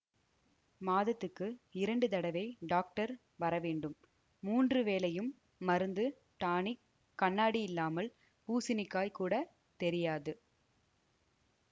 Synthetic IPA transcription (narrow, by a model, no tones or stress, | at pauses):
maːðɐt̪ːɯkːɯɪɾɐɳɖɯt̪ɐɽɐʋɐɪɖaːk̚ʈɐɾ | ʋɐɾɐʋeːɳɖɯmː | uːndrɯʋeːlɐjɯmː | ɐɾɯnd̪ɯ | ʈaːɳik | kːɐɳːaːɽiɪlːaːmɐl | puːsɪnɪkːaːjkuːɽɐ | t̪ɛɾɪjaːðɯ